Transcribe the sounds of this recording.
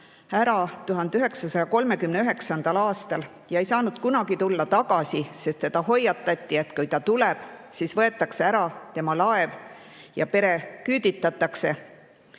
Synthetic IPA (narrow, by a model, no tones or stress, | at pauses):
æɾɑt̪uɦɑnd̪̥yɦe̞ksɑsɑjɑko̞lme̞kymneyɦe̞ksɑnd̪̥ɑlɑːst̪ɑl | jɑejsɑːnud̪̥kunɑɡ̥it̪ulːɑt̪ɑɡ̥ɑsise̞st̪ːe̞d̪̥ɑho̞jːɑt̪ˑːɑt̪ʲːˑie̞t̪kujt̪ɑt̪ule̞b̥sisvɤe̞t̪ːˑɑkse̞æɾɑt̪e̞mɑlɑe̞v | jɑ̰pe̞ɾe̞kyːd̪it̪ːˑɑt̪ːˑɑkse̞